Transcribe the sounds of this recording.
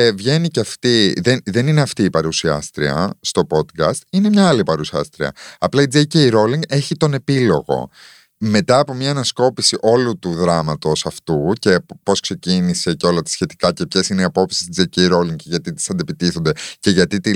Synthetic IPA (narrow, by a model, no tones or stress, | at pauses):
vʝe̞niceɐft̪iðenðe̞nineɐft̪iːpɐɾusiɐ̰st̪ɾiɐ̰st̪o̞po̞d̪kɐst̪ine̞mɲɐɐlipɐɾusiɐ̰st̪ɾiɐ̰ɐplɐid͡zecejɾo̞liŋɡe̞çit̪o̞ne̞pilo̞ɣo̞̰ | me̞t̪ɐːpo̞mɲɐːnɐsko̞pisiʔo̞lut̪uðɾɐmɐt̪o̞sɐft̪uce̞po̞skse̞cinise̞ceo̞lɐt̪ɐ̥sçe̞t̪i̥kɐcepçesineɐpo̞psi̥st̪id͡zeicejɾo̞liŋɡʝɐt̪it̪i̥sɐnd̪epit̪iθo̞nd̪e̞ce̞ʝɐt̪it̪i